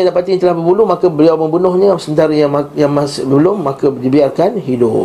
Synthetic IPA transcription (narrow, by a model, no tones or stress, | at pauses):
adapat̪iɲt̪əlahbəbulumãkəbəliawmə̃mbunɔhɲãsəmənt̪aɾəjamajaŋmasbəlʊmːakədibiarkanɦidʊp